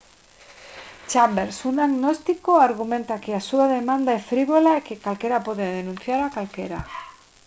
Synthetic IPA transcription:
t͡ʃambeɾsunaɣnost̪ikoaɾɣ̞umẽnt̪akeasuaðemãnd̪aefɾiβolaekekalkeɾapoðeðenũn̟θjaɾakalkeɾa

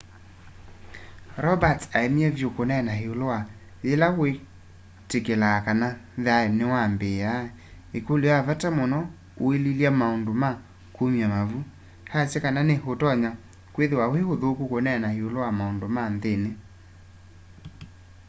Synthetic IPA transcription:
ɾɔbataemiɛvjokonɛnaheolowa | elawe | tekelakanaðaenewambea | ekoleavatamonɔ | oeliljamaondoma | komjamavu | hat͡ʃekananehotɔɲa | kweðewawehoðokukonɛnaheolowamaondomanðene

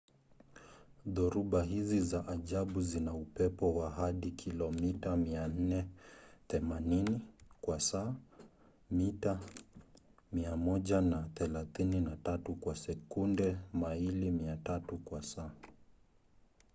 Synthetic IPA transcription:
ðɔɾuɓaɦizizaʔaʄaɓuzinaupɛpɔwaɦaɗikʰilɔmitamian̩nɛθɛmaninikwasaː | mita | miamɔʄanaθɛlaθininatatukwasɛkundɛmailimiatatukwasaː

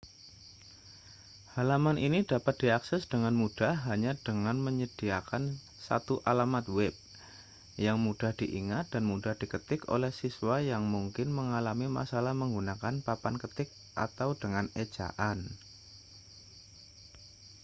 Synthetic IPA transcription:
halamanʔinidapat̪̚d̥iaksɛsd̥əŋanmud̥aɦaɲad̥əŋanməɲəd̥iakan | sa̰t̪uʔalamat̪̚wɛb̚ | jaŋmud̥ahd̥iʔḭŋat̪̚d̥anmudahd̥ikət̪ɪko̰lɛhsiswajaŋmuŋkɪnməŋalamima̰salahməŋɡunakanpapankət̪ɪk̚ | ʔa̰t̪awd̥əŋane̥d͡ʒ̥a̰ʔan

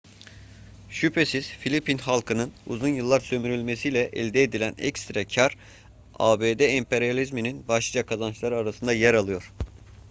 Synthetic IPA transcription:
ʃypʰe̞siz̥filʲipinhalˠkʰɯnɯnṵzunjɯlˠːaɾsø̞myɾylʲmesijlʲɛʔɛ̰lʲd̪eːd̪ilʲænɛ̰kst̪ɾacʰaɾ | a̰ːbed̪eɛmpeɾijalʲizmininbaʃlˠɯd͡ʒakʰazanɯt͡ʃlˠaɾɯaɾasɯnd̪ajæɾalˠɯjo̞ɾ̥

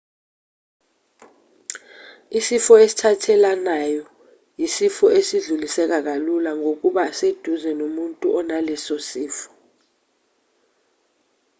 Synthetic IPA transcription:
isifɔesi̥tʰatʰɛlanajɔ | jisifɔesiɮulisɛk̬ak̬alulaŋok̬ʼuɓased̥ʱuzɛnomuntʼuʔɔnalɛsosiːfɔ̥

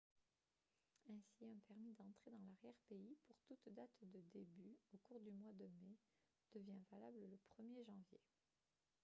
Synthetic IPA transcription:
ɛ̃siœ̃pɛʁmid̪ɑ̃t̪χed̪ɑ̃laʁjɛʁpeipuʁt̪ut̪d̪at̪d̪əd̪ebyokuʁd̪ymwad̪əme | d̪̥əvjɛ̃valablələpχəmjeʒɑ̃vjḛ

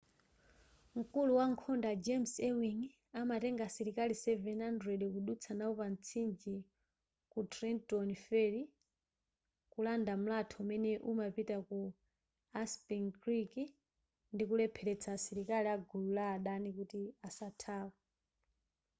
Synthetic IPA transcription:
m̩kuluwaŋkʰɔndad͡ʒɛmsɛwiŋ | amatɛŋɡasɛɾikalisɛvɛnhandɾɛɗkuɗut͡sʰanaupan̩t͡sʰind͡ʒi | kutɾɛntɔnifɛli | kulandam̩latʰɔumɛnɛʔumapitaku | aspiŋkɾiki | ndikulɛpʰɛlɛt͡sʰasɛɾikaliaɡululaːɗanikutiasatʰaːpa

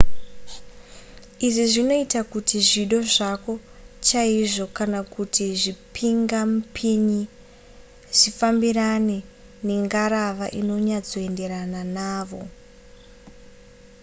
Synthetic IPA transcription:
iʐiʐino̞itakutiʐiɗo̞ʐako̞ | t͡ʃaiʐo̞kanakutiʐipʰiŋɡamupʰiɲi | ʐ̥ifambiɾane̞ | ne̞ŋɡaɾaʋaʔino̞ɲad͡zo̞e̞nde̞ɾananaːʋo̞

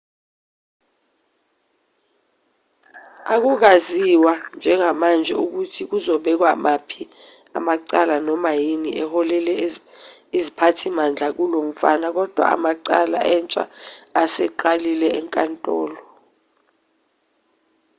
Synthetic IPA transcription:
ak̬uk̬aziwand͡ʒʱɛŋamand͡ʒʱɛuk̬utʰik̬uzɔɓɛk̬wamapʰi | a̰maǀalanɔmajiniʔɛhɔlɛlɛ | izipʰatʰimand͡ɮʱak̬ulom̩fa̰nak̬ɔd̥ʱwa̰a̰maǀala̰ʔɛnt͡ʃʼa̰ːsɛǃalilɛɛŋkʼantʼɔ̰ːlɔ

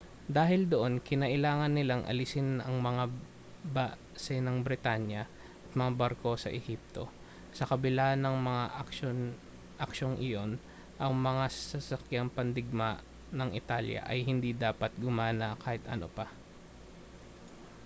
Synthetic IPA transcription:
d̪aːɦɪld̪oʔo̞nkɪnɐʔɪlaːŋɐnːɪlaŋʔɐ̰lɪsɪnɐŋmɐŋa | ba | sɛnɐŋbɾɪt̪anjɐ | ʔɐt̪̚mɐŋabaɾko̞sɐ̰ʔɛhip̚t̪o̞ | sɐkɐbɪlanɐŋmɐŋaʔɐkʃon | ʔɐkʃo̞ŋʔɪjo̞n | ʔɐŋmɐŋasɐsɐsɐkjaŋpɐnd̪ɪɡ̚ma | nɐŋʔɪ̰t̪alja̰ʔɐjhɪnd̪id̪aːpɐt̪̚ɡʊmaːnɐkaːhɪt̪ʔɐ̰no̰pa

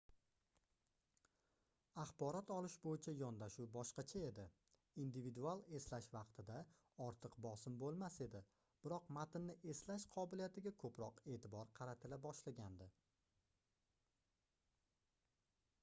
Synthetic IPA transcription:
ɑχbɒɾɒt̪ʰɒlˠɪʃbojɪt͡ʃʰajɒnd̪aʃuwbɒʃqɑt͡ʃʰae̞d̪ɪ | ind̪ɪvid̪ualˠe̞slaʃvɑqt̪ʰɪd̪a | ɒɾt̪ʰɨqbɒsɪmbolˠmase̞d̪ɪ | b̥ɪɾɒqmat̪ɪnːɪʔe̞slaʃqʰɒbɪlijat̪ʰɪɡʲakʰɵpɾɒqe̞ːt̪ʰɪbɒɾqʰɑɾat̪ʰɪlabɒʃlaɡʲand̪ɪ

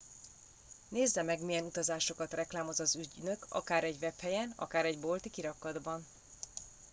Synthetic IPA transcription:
neːzːɛmɛɡmijɛnut̪ɒzaːʃo̞kɒt̪rɛklaːmo̞zɒzyɟnø̞kɒ̰kaːɾɛɟvɛphɛjɛnɒ̰kaːɾɛɟbo̞lt̪ikiɾɒkːɒd̪bɒn

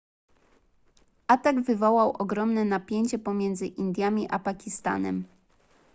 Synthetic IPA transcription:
ʔat̪aɡvɘvɔwawʔɔɡɾɔmnɛnapʲjeɲt͡ɕɛpɔmʲjɛnd̪zɘʔind̪ʲjamʲiʔapakʲist̪a̰nɛ̰m

